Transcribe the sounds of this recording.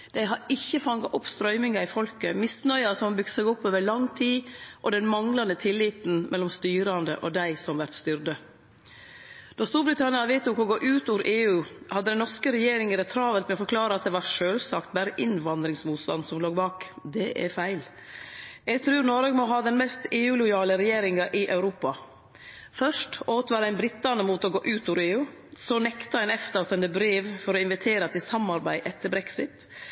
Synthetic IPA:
d̪̥æɪɦɑɾɪçːəfɑŋɑʔɔpst̪ɾœʏmɪŋɑɪfɔlkəmɪsnœʏɑsɔmbʏkssɛɡɔpːoːʋəɭɑŋt̪ʰiːʔɔd̪ɛnmɑŋlɑnd̪ət̪ʰɪlːɪːt̪n̩mʔɛlːɔmst̪yːɾɑnd̪ə̰ʔɔd̪æɪsɔmʋæɾt̪st̪ʏɾd̪ə | d̪̥ɔst̪uːɾbɾɪt̪ʰɑnɪɑnɑʋeɪt̪ːʊkʊɡoːʔʉːt̪uːɾʔeːʉːhɑd̪ːəd̪ɛnɔskəɾɛjeːɾɪŋəɾɛt̪ʰɾɑːʋəlt̪mɛɔfɔɾkʰlɑːɾəɑt̪̚d̪ɛʋɑɾʂøːlsɑkt̪̚bæɾəʔɪnʋɑnd̪ɾɪŋsmuːt̪st̪ɑ̰nd̪sɔmloːɡbɑːkd̪ɛʔæ̰ɾfæɪl | jɛɡt̪ʰɾʉːɾnɔɾɑːɡmɔɦɑːd̪ɛnmɛst̪eːʉːlʊjɑːləɾɛjeːɾɪŋɑʔɪʔɑʉɾuːpɑ | fœʂʈoːt̪əʋɑːɾæɪnbɾɪt̪ːɑnəmuːt̪ɔɡoːʔʉːt̪ɔːʋɾeːʉː | sɔnɛkt̪əɛnɛft̪əsɛnd̪əbɾeːʋfɔɾɔɪnʋɪt̪ʰeːɾɑt̪ʰɪlsɑmɑɾbæɪʔɛt̪ːəɾbɾɛksɪt̪

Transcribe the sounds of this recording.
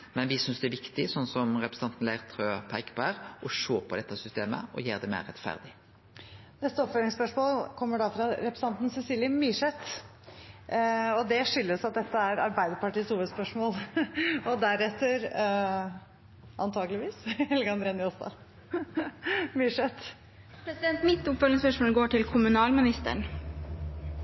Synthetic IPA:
mɛnʋɪsʏnsd̪ɛæʋɪkt̪ɪsɔnːsɔmɾɛpɾs̩ɑnt̪n̩læɪʁt̪ʰɾøːpʰæɪkbæʁɔʂoːpʰɔd̪ɛt̪ːəsʏst̪eːmə̰ɔ̰jeːʁd̪ɛmḛːɾɛt̪fæ̰ʁd̪ɪ | nɛt̪ːəɔpføːɾɪŋspœʂmoːlkʰɔmːəɖɑfɾɑɾɛpɾəsɑnt̪n̩sɛsiːljəmyːʂɛt̪ː | ɔd̪ɛʂʏlːəsɑt̪̚d̪ɛt̪ːəæɾɑ̰ɾbæɪd̪əpɑʈiːəshuːʋəspœʂmoːlɔd̪æɾɛt̪ːəɾ | ʔɑnt̪ʰɑːɡəlɪʋiːsɛlɡəɑnd̪ɾeːnɪust̪ɑ̰ | myːʂɛt̪ | pʰɾɛsɪd̪ɛnt̪mɪt̪ːʊpfølɪŋspœʂmoːlɡoːʈɪlkʰʊmʉnɑːlmɪnɪst̪ə̰ɳ

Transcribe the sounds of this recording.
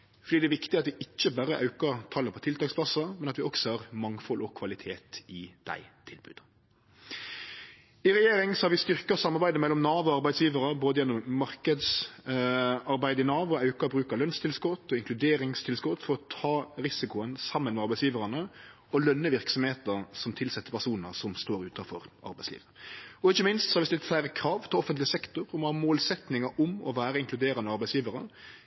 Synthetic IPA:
fɔɾɖ̪iːd̪ɛæʋɪkt̪ɪɑt̪ʋɪʔɪt͡ʃːəbæɾəʔɑ̰ʉkəɾt̪ʰɑlːəpʰɔt̪ʰɪlt̪ʰɑːkspʰlɑsɑmɛnɑt̪ʋɪɔksɔhɑʁmɑŋfɔlɔkʰʋɑlɪt̪ʰeːt̪ɪd̪̥æ̰ɪt̪ʰɪlbʉ̰ːd̪ | ɪɾɛjeːɾɪŋsɔhɑɾʋɪst̪ʏɾkɑsɑmːɑɾbæɪd̪əmɛlːɔmnɑːʋʊɑɾbæɪd̪sjiːʋəɾəboːd̪əjɛnːɔmːɑɾkəd̪s | ɑɾbæɪd̪əɪnɑːʋʊɑʉkɑbɾʉːkɑlœnst̪ʰɪlskɔt̪ːɔɪŋklʉd̪eːɾɪŋst̪ʰɪlskɔt̪ːfɔɾɔt̪ʰɑːɾɪsɪkʊənsɑmːənmɛɑɾbæɪsjiːʋəɾɑnə | ɔlœnːəʋɪʁksɔmheːt̪əɾsɔmt̪ʰɪlsɛt̪ːəpʰæʂuːnə̰sɔmst̪oːɾʉːt̪ʰɑfɔɾʔɑ̰ɾbæɪslḭːʋəɔɪçːəmɪnst̪sɔhɑɾʋɪst̪ɪlt̪fæɾəkʰɾɑːʋt̪ʰɪlɔfənt̪lɪsɛkt̪ʊɾɔmɔhɑːmoːlsɛt̪nɪŋəɔmɔʋæːɾəɪŋklʉd̪eːɾɑnəɑɾbæɪsjiːʋəɾə̰

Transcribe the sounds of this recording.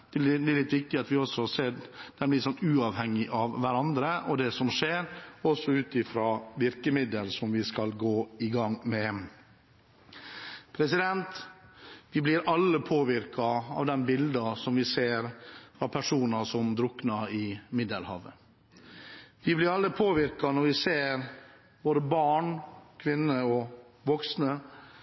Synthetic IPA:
d̪ɛlɪt̪ʋɪk̚t̪ɪɑt̪ʋɪɔsːɔseːd̪̥ɛnblɪt̪sɔnt̪ʉːɑʋhɛŋːɪʔɑʋːæɾɑnd̪ɾəʔɔd̪ɛsɔmʂeːɾɔsːɔʉːt̪ɪfɾɑːʋɪɾkəmɪd̪əlsɔmʋɪskɑlɡoːɪɡɑŋmɛ | pʰɾɛsɪd̪ɛnt̪ | ʋɪblɪɾʔɑlːəpʰoːʋɪɾkɑɑ̰ʋd̪ɛnbɪld̪ɑsɔmʋɪseːɾfɾɑpʰæʂuːnɑsɔmd̪ɾʊknɑɪmɪd̪əlhɑ̰ːʋə | ʋɪblɪɾɑlːəpʰoːʋɪɾkɑnɔɾʋɪseːɾ | boːɾəbɑːɳkʰʋɪnːəɔʋɔksnə

